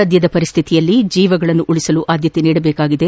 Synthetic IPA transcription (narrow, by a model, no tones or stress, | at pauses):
ɐd̪jɐd̪ɐpɐɾist̪ʰit̪ijɐlːid͡ʒiːʋɐɡɐɭɐnːuʔuɭisɐluʔaːd̪jɐt̪eniːɽɐbɛːkaːɡid̪e̞